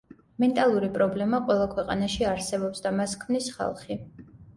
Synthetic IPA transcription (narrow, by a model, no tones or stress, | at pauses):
mɛnt̪ʼalˠuɾipʼɾɔblɛmaqʼwɛlˠakʰwɛqʼa̰naʃiaɾsɛbɔpsd̪amaskʰmnisχa̰lˠχi